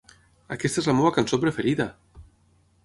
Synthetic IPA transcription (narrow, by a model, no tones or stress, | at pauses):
akɛst̪aezlamewakansopɾəfeɾiðɐ